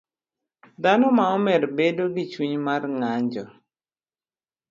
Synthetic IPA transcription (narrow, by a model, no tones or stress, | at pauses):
d̪anɔmaɔmɛɾbedoɡɪt͡ʃwuɲmarŋaɲd͡ʒɔ